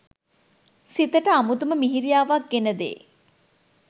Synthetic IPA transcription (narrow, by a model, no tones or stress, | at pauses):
sit̪əʈəamut̪uməmiɦiɾijaːʋak̚ɡenəd̪ḛː